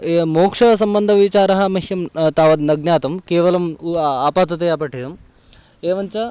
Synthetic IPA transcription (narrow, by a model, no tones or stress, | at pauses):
moːkʂɐɐs̬ɐmbɐnd̪ʱɐʋit͡ʃaːɾɐɦɐmɐɦjɐmt̪aːʋɐd̪nɐɡnjaːt̪ɐmkeːʋɐlɐmaːpaːt̪ɐt̪ejaːpɐʈʰːid̪ɐm | eːʋɐɲt͡ʃɐ